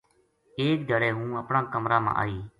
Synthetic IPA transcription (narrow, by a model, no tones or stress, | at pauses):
eːk̚ɡʱəɽeːɦũːəpɳãːkəmɾaːmã̰ːʔa̰ːiː